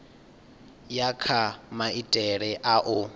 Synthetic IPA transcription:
jakʰamaitʼɛɾɛʔaʔʊ

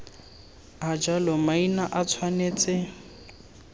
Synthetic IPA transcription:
ad͡ʒalɔmainaʔat͡sʰwaneːt͡sʼɪ

